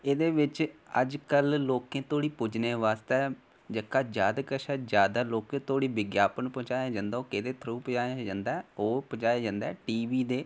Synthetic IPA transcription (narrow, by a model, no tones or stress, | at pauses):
eːd̪eːʋɪt͡ʃəd͡ʒkəlloːkẽːt̪oːɽiːpʊd͡ʒneːʋaːst̪eɛː | d͡ʒəkːaːd͡ʒaːd̪kəʃɛːd͡ʒjaːd̪aːloːkẽːt̪oːɽiːbɪɡjaːpənpɔ̃ːd͡ʒaːjaːd͡ʒãːnd̪aːoːkeːd̪eːt̪ʰəɾuːpːd͡ʒaːjad͡ʒãːnd̪aːoːpõd͡ʒaːjaːd͡ʒãːnd̪ɛːʈiːʋiːd̪eː